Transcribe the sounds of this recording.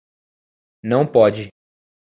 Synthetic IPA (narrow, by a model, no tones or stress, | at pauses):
nɐ̃w̃pɔd͡ʒɪ